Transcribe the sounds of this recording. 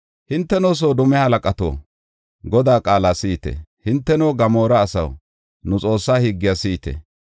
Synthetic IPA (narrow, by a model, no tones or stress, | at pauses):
hɪnt̪ːɛnoːs̬oːd̪ʊmɛhɐlɐkʼɐt̪o̰ː | ɡɔd̪aːkʼaːlaːsiːt̪ɛ̰hɪnt̪ːɛnoːɡɐmoːɾɐːsɐ̰w | nʊt͡sʼo̞ːsːaːhiɡːɪjasiːt̪ɛ̰